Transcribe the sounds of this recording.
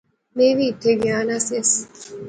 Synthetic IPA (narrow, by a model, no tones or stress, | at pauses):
meːʋiːt̪ʰːeɡjaːnaːsijɐs